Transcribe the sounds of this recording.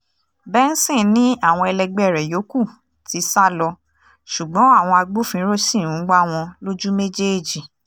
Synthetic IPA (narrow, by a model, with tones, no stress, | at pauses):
bɛ˦n̩˦sĩ˦˨nĩ˦a˦˨w̃ɔ̃˧ɛ˧lɛ˧ɡ͡bɛ˦˨ɾɛ˨jo˨˦ku˦˨ | ti˧˦sa˦lɔ˧ | ʃu˨ɡ͡bɔ̃˨˦a˦˨w̃ɔ̃˧a˧ɡ͡bo˦˨fĩ˧˦ɾo˦˨sĩ˦˨ũ˨˦ɡ͡ba˦w̃ɔ̃˧lo˦d͡ʒu˦me˦d͡ʒe˦e˦˨d͡ʒi˨